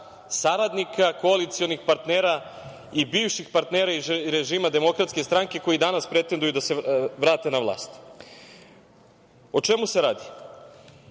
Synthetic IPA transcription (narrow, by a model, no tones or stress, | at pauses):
saɾad̪nikʰako̞alit̪sio̞nixpaɾt̪neːɾa | ibiːʋʃixpaɾt̪neːɾaiɾeʒiːmad̪e̞mo̞kɾat̪ske̞st̪ɾaŋke̞ko̞jid̪anaspɾe̞t̪end̪ujud̪ase̞ʋɾaːt̪e̞naʋlˠa̰ːst̪ | o̞t͡ʃe̞muse̞ɾaːd̪i